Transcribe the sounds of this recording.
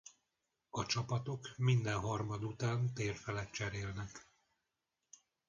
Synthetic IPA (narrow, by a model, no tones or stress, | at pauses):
ɒt͡ʃɒpɒt̪o̞kmind̪ɛnɦɒrmɒd̪ut̪aːnt̪eːrfɛlɛt̪t͡ʃɛɾeːlnɛk